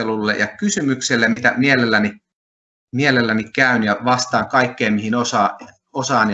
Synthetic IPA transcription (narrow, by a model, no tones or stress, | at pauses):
elulːḛjɑkysymykselːemit̪æmielelːæni | mielelːænikæynjɑʋɑst̪ɑːŋkɑikːeːmmihinosɑː | osɑːnj